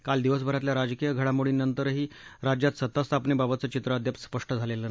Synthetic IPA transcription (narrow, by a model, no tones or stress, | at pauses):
kald̪iʋəs̬bʱəɾat̪̬ljaɾad͡zkijəɡʱəɽamoɽinːənt̪əɾɦiːɾad͡ʑjat̪sət̪ːast̪ʰapnebabət̪̚t͡sət͡ɕit̪ɾəəd̪ʱjapsspəʂʈəd͡zʱalelə